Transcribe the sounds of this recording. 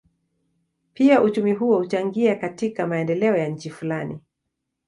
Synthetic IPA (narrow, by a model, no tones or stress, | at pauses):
piaʔut͡ʃumiɦuɔhut͡ʃaŋɡiakatikamaɛndɛlɛɔjaɲ̩t͡ʃifulani